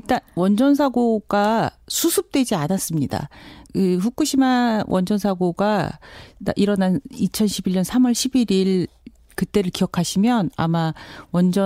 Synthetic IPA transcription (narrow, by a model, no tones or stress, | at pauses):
iɭt͈anwʌnd͡ʑʌns̬ʰaɡoɡ̥asʰusʰup̚t͈wed͡ʑianas͈ɯmɲida̰kɯɸuk͈uɕʰimawʔʌnd͡ʑʌnsʰaɡoɡa | da̰ʔiɾʌnanit͡ɕʰʌnɕʰibiɭɲʌnsʰamʌɭɕʰibiɾiɭ | kɯt͈e̞ɾɯɭkijʌkʰaɕʰimjʌna̰mawʌnd͡ʑʌ